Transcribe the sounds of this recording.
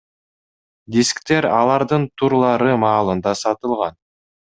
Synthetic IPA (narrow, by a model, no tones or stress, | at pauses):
d̪ʲiskt̪e̞ɾɑlˠɑɾd̪ɯnt̪ʰuɾlˠɑɾɯmɑːlˠɯnd̪ɑsɑt̪ɯlˠʁɑn